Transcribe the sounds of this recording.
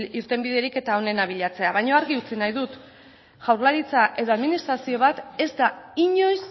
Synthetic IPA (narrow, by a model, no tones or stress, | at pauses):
iɾt̪e̞mbiðe̞ɾike̞t̪ao̞ne̞naβ̞iʎat͡se̞aβajɲo̞aɾɣiut͡sinajðut̪ | ʝ̥awɾlaɾit͡saʔe̞ðo̞aðminist̪ɾasio̞β̞at̪e̞zd̪aiɲo̞js